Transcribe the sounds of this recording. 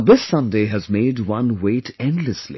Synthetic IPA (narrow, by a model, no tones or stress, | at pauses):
ðɪsːʌ̃ndeːɦɨzmeːdwʌ̃nweːʈʰɛ̃ndləslḭ